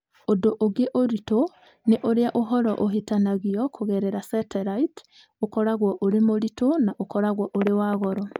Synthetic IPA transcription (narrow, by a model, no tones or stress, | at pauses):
odoʔoɡeʔoɾito | neʔoɾeaʔoɦɔɾɔʔoɦetanaɣiɔkʰoɣɛɾɛɾasɛtɛɾait | okɔɾaɣwɔʔoɾemoɾitonaʔokɔɾaɣwɔʔoɾewaːɣɔɾɔ